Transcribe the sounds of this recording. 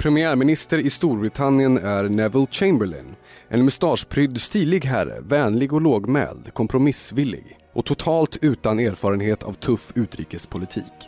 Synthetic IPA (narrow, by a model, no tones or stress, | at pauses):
pʰɾɛmɪæːɾmɪnɪst̪əɾɪst̪uːɾbɾɪt̪ʰanːɪənæɾɳɛvəlt͡ɕɛmbəɭɪ̰n | ʔɛnmɛst̪ɑːʂpʰɾʏd̪st̪iːlɪɡɦæɾə̰vɛːnlɪɡɔloːɡmɛ̰ːld̪kʰɔmpʰɾʊmɪsvɪlːɪ̰ɡ | ʔɔt̪ʰʊt̪ʰɑːlt̪ʉ̟ːt̪aneːɾfɑːɾənɦeːt̪ʰa̰vt̪ʰɵfʉ̟ːt̪ɾḭːkəspʰʊlɪt̪ʰḭːk